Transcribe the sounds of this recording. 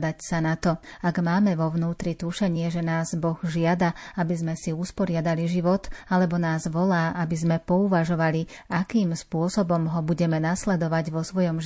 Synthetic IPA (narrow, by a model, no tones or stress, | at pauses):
d̪acsanat̪ɔaɡmaːmɛʋɔʋnuːt̪ɾit̪uʃɛɲɪɛʒɛnaːzbɔɣʒɪad̪aabizmɛsiuspɔɾɪad̪aliʒiʋɔt̪alɛbɔnaːzʋɔlaːʔabizmɛpɔuʋaʒɔʋali | akiːmspʊɔsɔbɔmɦɔbuɟɛmɛnaslɛd̪ɔʋaɟʋɔsʋɔjɔmʒ